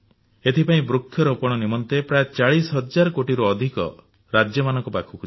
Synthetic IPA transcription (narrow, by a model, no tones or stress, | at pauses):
et̪ʰipaĩbɾukʰːjɔɾɔpɔɽ̃ɔnimɔnt̪epɾajet͡ʃaɭisɔɦɔd͡ʒaɾɔkoʈiɾuɔd̪ʱikɔ̰ | ɾad͡ʒjɔmanɔŋkɔpakʰukʰu